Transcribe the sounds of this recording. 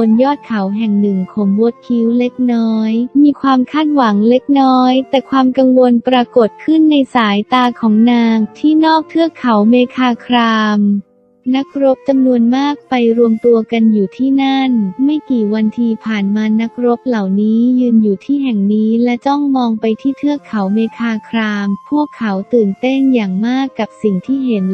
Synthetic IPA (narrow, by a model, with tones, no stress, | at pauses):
o˧njɔː˥˩t̪̚kʰa˩˦wɦɛ˨˩ŋnɯ˨˩ŋkʰɔː˩˦ŋwo˦˥t̪̚kʰi˦˥wle˦˥k̚nɔː˦˥jmiː˧kʰwaː˧mkʰaː˥˩t̪̚wa˩˦ŋle˦˥k̚nɔː˦˥jt̪ɛː˨˩kʰwaː˧mka˧ŋwo˧npɾa˧ko˨˩t̪̚kʰɯ˥˩nːa˧jsaː˩˦jt̪aː˧kʰɔː˩˦ŋnaː˧ŋt̪ʰiː˥˩nɔː˥˩k̚t̪ʰɯ˥˩əkʰa˩˦wmeː˧kʰaː˧kʰɾaː˧m | na˦˥k̚ɾo˦˥p̚t͡ɕa˧mnu˧ənmaː˥˩k̚pa˧jɾu˧əmt̪u˧ɐka˧njuː˨˩t̪ʰiː˥˩na˥˩nma˥˩jkiː˨˩wa˧nt̪ʰiː˧pʰaː˨˩nmaː˧na˦˥k̚ɾo˦˥p̚la˨˩wniː˦˥jɯː˧njuː˨˩t̪ʰiː˥˩ɦɛ˨˩ŋniː˦˥lɛ˦˥t͡ɕɔ˥˩ŋmɔː˧ŋpa˧jt̪ʰiː˥˩t̪ʰɯ˥˩əkʰːa˩˦wmeː˧kʰaː˧kʰɾaː˧mpʰu˥˩əkʰːa˩˦wt̪ɯː˨˩nt̪e˥˩njaː˨˩ŋmaː˥˩kːa˨˩p̚si˨˩ŋt̪ʰiː˥˩ɦe˩˦n